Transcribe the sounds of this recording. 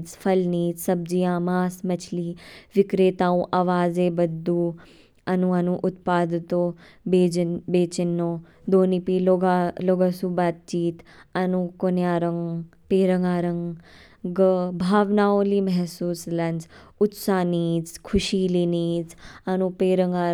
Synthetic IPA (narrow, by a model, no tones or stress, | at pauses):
d͡zfʰɐlniːd͡zsɐb̚d͡ʒijãːmaːsmɐt͡ʃʰliːʋikɾeːt̪ãːũʔaʋaːzeːbɐd̪ːuː | ɐnũɐnũʔʊt̪̚paːd̪t̪oː | beːbeːt͡ʃinːoː | d̪oːnipiloɡaloɡɐsubaːt̪̚t͡ʃiːt̪ɐnukonjaːɾɐŋɡpeːɾɐŋɡaːɾɐŋɡ | ɡbʱaːʋnaːoːlimɐɦsuːslɐnd͡zʊt̪saːniːd͡zkʰuʃiːliːniːd͡zɐnũpeːɾəŋɡaː